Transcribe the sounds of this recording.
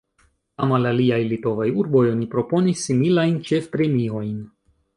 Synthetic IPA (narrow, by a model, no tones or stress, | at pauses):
amalaliajlito̞vajuɾbo̞jo̞nipɾo̞po̞nisːimilajnt͡ʃe̞fpɾe̞mio̞jn